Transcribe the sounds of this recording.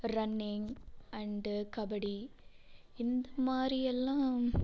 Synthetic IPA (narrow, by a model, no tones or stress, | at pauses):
ɾɐnːɪŋɐɳɖkɐbɐɽi | ɪnd̪ɐmaːdɾiɛlːãː